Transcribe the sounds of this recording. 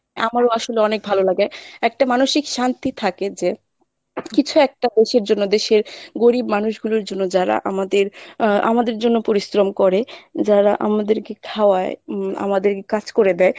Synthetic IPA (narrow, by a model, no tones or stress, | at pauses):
a̰maɾoaʃoleɔnek̚bʱalolaɡaɛk̚ʈamanoʃikʃant̪it̪ʰaked͡ʑe | kit͡ɕʰuɛk̚ʈad̪eʃeɾd͡ʑonːod̪eʃeɾɡoɾibmanuʃɡuloɾd͡ʑonːod͡ʑaɾa̰ʔa̰mad̪eɾa̰mad̪eɾd͡ʑonːopoɾisɾomkɔɾed͡ʑaɾaʔa̰mad̪eɾkekʰaoaea̰mad̪eɾkekad͡ʑkoɾed̪ɛe